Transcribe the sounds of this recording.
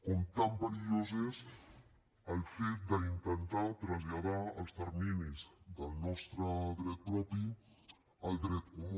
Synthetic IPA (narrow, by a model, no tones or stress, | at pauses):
kont̪ambaɾiozes | əlfet̪̚d̪əint̪ənt̪at̪ɾazʎaðaɐlst̪əɾminizd̪əlnɔst̪ɾəðɾɛt̪̚pɾɔpi | ald̪ɾɛt̪̚o